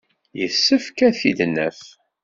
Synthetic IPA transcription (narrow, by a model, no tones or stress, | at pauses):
jəsːəfkæθid̪nːə̰f